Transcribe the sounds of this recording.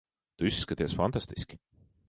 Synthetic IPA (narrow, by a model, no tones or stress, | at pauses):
t̪yskət̪eɛsfɑnt̪ɑst̪isk